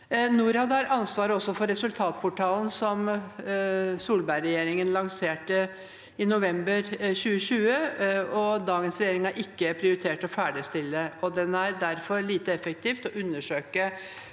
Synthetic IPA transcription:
nuːɾhɑd̪əɑɾʔɑnsʋɑːɾəɔsːɔfɔɾɛsʉlt̪ʰɑːt̪̚pʰʊʈʰɑːln̩sɔm | suːlbæɪɾɛjeːɾɪŋənlɑŋseːʈə | ɪnʊʋɛmbəɾɕʉːəɕʉːəɔd̪ɑːɡənsɾɛjeːɾɪŋɑɾʔɪkːəpʰɾɪʊɾɪt̪ʰeːʈɔfæːɖəst̪ɪlːəɔd̪ɛnæɾd̪æɾfɔɾɭiːt̪əɛfək̚t̪ʰiːft̪ɔʔʉnːəʂøːkə

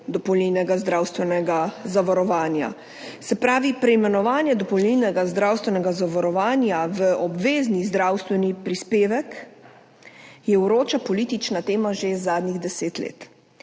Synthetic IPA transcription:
d̪ɔpɔwlninɛɡazd̪ɾaːwst̪ʋɛnɛɡazaʋaɾɔʋaːnja̰ | sɛpɾaːʋipɾɛimɛnɔʋaːnjɛd̪ɔpɔwlnilnɛɡazd̪ɾawst̪ʋɛnɛɡazaʋaɾɔʋaːnjaʋəʔɔbʋeːznizd̪ɾawst̪ʋɛnipɾispeːʋɛk | jɛwɾoːt͡ʃapɔlit̪it͡ʃnat̪eːmaʒezaːd̪niɣd̪ɛseːt̪lḛːt̪

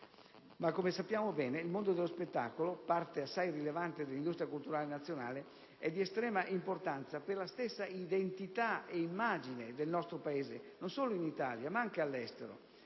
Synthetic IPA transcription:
makːomesapːjaːmobɛːneilmond̪od̪elːospet̪ːa̰ːkolopart̪easːajrilevant̪ed̪elind̪ust̪ɾjakult̪uɾaːlenat̪sːjonaːle | ɛd̪ːiest̪ɾɛːmaʔimport̪ant̪saperlast̪esːaid̪ent̪it̪aeimːaːd͡ʒined̪elnɔst̪ɾopaeːzenonsoːloinit̪aːljamaaŋkealːɛst̪eɾo̰

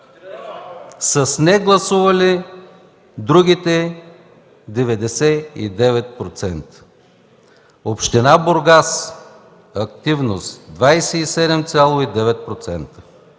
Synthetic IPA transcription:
səsnɛɡlˠɐsuvɐli | d̪ɾuɡ̟ʲit̪ɛ | d̪ɛvɛd̪ɛsɛḭd̪ɛvɛt̪̚pɾot̪sɛnt̪ə̥ | opʃt̪ɛnaboɾɡas | ɐkt̪ivnost̪d̪vajsɛisɛd̪ɛmt̪sʲalˠoid̪ɛvɛt̪̚pɾot̪sɛnt̪ə̥

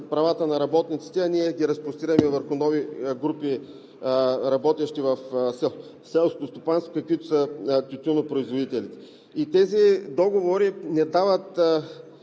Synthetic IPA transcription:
pɾɐvat̪ənɐɾɐbɔt̪nit̪si̥t̪ɛɐniɛɡʲiɾɐspɾʊst̪iɾɐmɛvəɾxʊnɔviɡɾupi | ɾɐbɔt̪ɛʃt̪ivɐfsɛlˠ | sɛlˠskot̪ost̪opanst̪ok̪əkvit̪osɐt̪ʲut̪ʲunopɾoizvod̪it̪ɛlit̪ɛ̥ | it̪ɛzid̪ɔɡovoɾinɛd̪avət̪

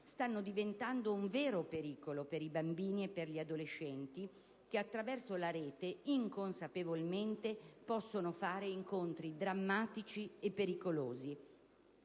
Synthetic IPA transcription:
st̪anːod̪ivent̪and̪ouɱveːɾopeɾiːkolopeɾibambiːniepːerʎiad̪oleʃːɛnt̪i | k̟eat̪ːɾavɛrsolaɾeːt̪eiŋkonsapevolment̪epɔsːonofaːɾeiŋkont̪ɾid̪ɾamːaːt̪it͡ʃiepːeɾikoloːzi

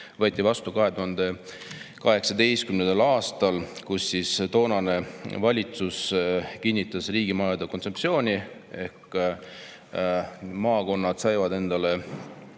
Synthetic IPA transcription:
vɤ̞ːt̪ʲˑːivɑst̪ukɑɦe̞d̪uɦɑnd̪e̞ | kɑɦe̞ksɑd̪e̞jst̪kymnend̪elɑːst̪ɑlkusːist̪o̞ːnɑne̞vɑlʲit̪suskinʲːit̪ːˑɑsriːɡ̥imɑjɑd̪̥ɑko̞nt̪sepsio̞ːnʲi | e̞hk | mɑːko̞nːɑd̪sɑjvɑd̪e̞nd̪̥ɑle̞

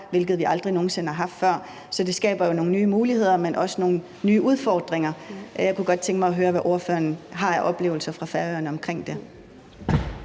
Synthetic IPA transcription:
ʋe̝lɡ̥ð̞̩ˠʋiʔɑ̈ld̥ʁino̝ːn̩se̝nhɑ̈ɦɑ̈fd̥fɶɐ̰ | sɒ̽d̥e̝sɡ̥ɛ̰ːb̥ɐjo̝no̝ːn̩nyːmuːlihe̝ð̞̰ˠɐmenʔɒ̽səno̝ːn̩ | nyːʔuð̞ˠfɒːd̥ʁeŋɐjɑ̈ɪkuɡ̥ɒ̽d̥̚t͡sʰeŋɡ̥mɑ̈ɪɒ̽ɦøːɐʋæʔo̝ɐfø̰ːɐnɦɑ̈æʔɒ̽b̥le̝̰ːʊl̩sɐfʁɑ̈fæɐøɐnəɒ̽mkʰʁeŋ̰d̥e̝

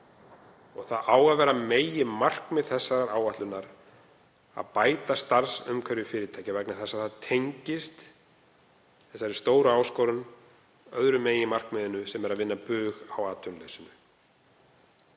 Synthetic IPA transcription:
ɔɣθaðaːwɣaðvɛːɾameːjɪmar̥kmɛðθɛsːaɾaɾaːwvaht̪lʏnaɾ | a̰ðpaːjt̪ast̪aɾsʏ̰mkʰvœɾjʏfɪːɾɪt̪ʰajcɪvɛknɪθɛsaðθaðt̪ʰejɲcɪst̪ | θɛsaɛɾ̥st̪oːwɾʏaːwskoːɾʏn | œðɾʏmeːjɪmar̥kmɛðɪnːʏsɛmɛɾaðvɪnːapʏːɣawaːt̪ʏnleɥsʏnʏ

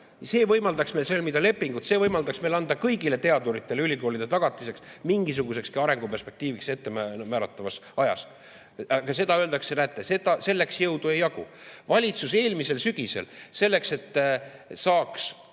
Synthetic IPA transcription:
se̞ːvɤjmɑld̪ɑksme̞jlselmid̪ɑle̞pːˑiŋɡ̥ut̪se̞ːvɤjmɑld̪̥ɑksme̞jlɑnd̪ɑkɤjɡile̞t̪e̞ɑd̪uɾit̪ːˑe̞leylʲiko̞ːlʲid̪̥e̞t̪ɑɡ̥ɑt̪ːˑise̞ksmiŋɡis̬uɡ̥use̞kskɑɑɾe̞ŋɡ̥upe̞rspe̞k̚t̪iːvikse̞t̪ːe̞mæmæːɾɑt̪ːˑɑvɑsɑjɑ̰s | ɑkɑse̞d̪ɑøld̪̥ɑksenæt̪ːˑese̞d̪̥ɑse̞lːe̞ksjɤwd̪̥ue̞jːɑɡṵ | vɑlʲit̪suse̞ːlmise̞lsyɡ̥ise̞̰lse̞lːe̞kse̞t̪ːˑsɑːks

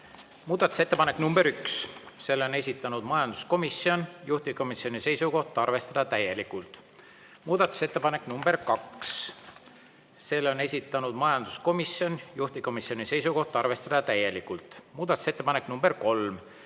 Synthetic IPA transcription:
muːd̪̥ɑt̪ːˑu̥se̞t̪ːepɑnekːˑnumbe̞ɾyksse̞lːo̞ne̞s̬ʲit̪ːˑɑnud̪̥mɑjɑnd̪̥u̥sko̞misio̞njuht̪iko̞misio̞nise̞jsuko̞ht̪ːˑɑrve̞st̪ɑd̪̥ɑt̪æje̞likult̪ˑ | muːd̪̥ɑt̪ːˑu̥se̞t̪ːepɑne̞knumbe̞ɾrkɑks | se̞lːo̞ne̞sʲit̪ːˑɑnud̪̥mɑjɑnd̪̥u̥sko̞misjo̞njuht̪iko̞misio̞nise̞jsuko̞ht̪ːˑɑrve̞st̪ɑd̪̥ɑt̪æje̞likːˑult̪ˑmuːd̪ɑt̪ˑu̥se̞t̪ːˑepɑnekːnumbe̞rko̞lm

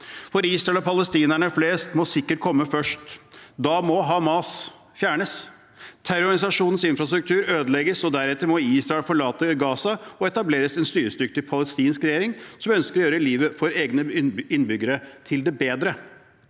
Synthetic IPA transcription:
fɔɾiːsɾɑɛlɔpʰɑləst̪iːnæɳəfleːst̪mɔsɪkːəʈ̚kʰɔmːəfœʂʈd̪ɑmɔɦɑːmɑːs | fjæːɳəs | t̪ʰæɾʊɾɪsɑʂuːnn̩sɪnfɾɑst̪ɾʉk̚t̪ʰʉːɾøːd̪əlɛɡəsɔd̪æɾɛt̪ːəɾmɔiːsɾɑɛlfɔɭɑːt̪əɡɑːsɑɔɛt̪ɑbleːɾəsɛnst̪yːɾəst̪ʏkt̪ɪpʰɑləst̪iːnskɾɛjeːɾɪŋsɔmœnskəɾɔjøːɾəliːʋəfɔɾeːɡnəɪnːbʏɡːəɾət̪ʰɪld̪ɛbeːd̪ɾə

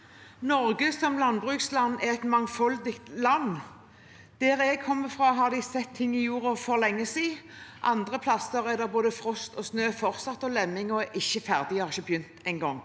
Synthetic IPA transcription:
nɔɾɡəsɔmlɑnbʁʉːkslɑnːɛʁɛt̪mɑŋfɔld̪ɪkt̪lɑnː | d̪̥ɛːɾɛːɡ̚kʰɔmːəfʁɑːɦɑʁd̪ɪsɛt̪ʰːɪŋːɪjuːɾəfɔʁlɛŋːəsiː | ʔɑnd̪ʁəpʰlɑsəɾɛd̪ɛʁboːd̪əfʁɔst̪ɔsnøːfɔʁsɑt̪ːɔlɛmːɪŋɔɛʔɪçːəfæʁd̪ɪɑʁɪçəbjʏnt̪ɛɪŋɡɔŋː

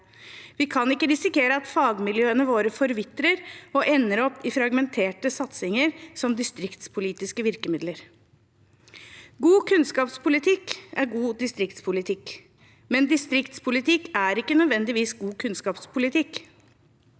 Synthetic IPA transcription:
ʋɪkʰɑnɪkːəɾɪsɪkeːɾəɑt̪fɑːɡmɪljøːənəʋoːɾəfɔɾʋɪt̪ɾəɾɔʔɛnːəɾɔpːɪfɾɑɡmɛnt̪ʰeːʈəsɑt̪sɪŋəɾsɔmd̪ɪst̪ɾɪkt̪spʰʊliːt̪ɪskəʋɪɾkəmɪd̪ləɾ | ɡuːkʰʉnskɑːpspʰʊlɪt̪ʰɪkæɾɡuːd̪ɪst̪ɾɪkt̪spʰʊlɪt̪ʰɪk | mɛnd̪ɪst̪ɾɪkt̪spʰʊlɪt̪ʰɪkːæɾɪkːənœd̪ʋɛnd̪ɪʋiːsɡuːkʰʉnskɑːpspʰʊlɪt̪ʰɪk

